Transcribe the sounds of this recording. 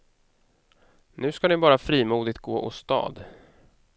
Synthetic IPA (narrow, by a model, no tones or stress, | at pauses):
nʉ̟ːskanɪbɑːɾafɾiːmuːd̪ɪt̪̚ɡoːʔɔ̰st̪ɑ̰ːd̪